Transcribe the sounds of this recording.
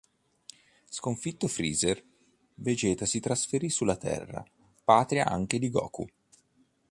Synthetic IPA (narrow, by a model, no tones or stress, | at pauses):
skoɱfit̪ːofɾiːzer | ved͡ʒɛːt̪asit̪ɾasfeɾisulːat̪ɛ̰rːa̰ | paːt̪ɾia̰ʔa̰ŋk̟ed̪iɡɔ̰ːkṵ